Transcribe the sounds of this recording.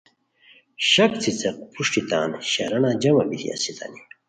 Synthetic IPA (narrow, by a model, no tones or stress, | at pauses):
ɕɐk̚t͡sʰit͡seq̚pʰuʂʈit̪aːnɕɐɾɐnad͡ʑɐmɐbit̪ḭɐ̰sit̪ʰɐ̰ni